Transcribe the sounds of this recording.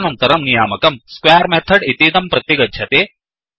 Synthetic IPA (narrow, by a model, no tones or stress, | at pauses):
nɐnt̪ɐɾɐmnijaːmɐkɐmskwaːɾmɛt̪ʰəɖit̪iːd̪ɐmpɾɐt̪jiɡɐdd͡ʒʱɐt̪eː